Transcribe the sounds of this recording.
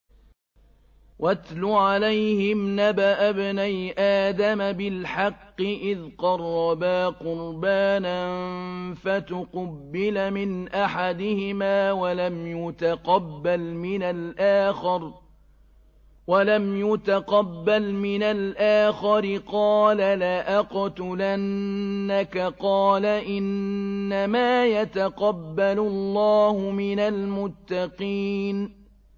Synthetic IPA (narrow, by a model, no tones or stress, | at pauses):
wʔat̪lʊʕalajhɪmnabaʔabnajʔaːd̪amabɪlħɑqːɨʔɪðqɑrˤːɑbaːqʊɾbaːnanfat̪ʊqʊbːɪlmɪnʔaħad̪ɪhɪmaːwalamjʊt̪aqɑbːalmɪnalʔaːxɪɾ | walamjʊt̪aqɑbːalmɪnalʔaːxɑɾɪqɑːlalaʔaqt̪ʊlanːakaqɑːlaʔɪnːamaːjat̪aqɑbːalʊlːɑːhʊmɪnalmʊt̪ːɑqiːn